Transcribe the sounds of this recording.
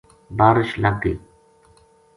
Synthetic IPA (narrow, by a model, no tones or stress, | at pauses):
baːɾɪʃləɡ̪̚iː